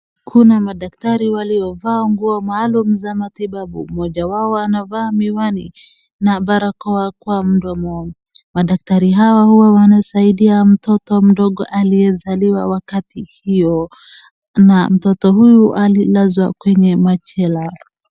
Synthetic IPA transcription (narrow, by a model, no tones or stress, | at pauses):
kʰunamaɗak̚taɾiwaliɔvaːŋɡuɔmaːlumuzamatiɓaɓṵm̩ɔʄawaɔanavaːmiwanḭ | naɓaɾakɔakwam̩ɗɔmɔ | maɗak̚taɾiɦawahuwawanasaiɗiam̩tɔtɔm̩ɗɔɠɔʔaliɛzaliwawakatihijɔ | nam̩tɔtɔhujuʔalilazwakwɛɲɛmat͡ʃɛla